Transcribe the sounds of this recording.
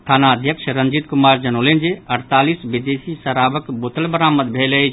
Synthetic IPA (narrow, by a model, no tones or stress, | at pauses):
ʈʰaːnaəd̪ʱjəkʃəɾənd͡ʒit̪kumaːɾd͡ʒənoːlend͡ʒeəɽt̪aːlisʋid̪esisəɾaːbəkbot̪əlbəɾaːməd̪bʱelə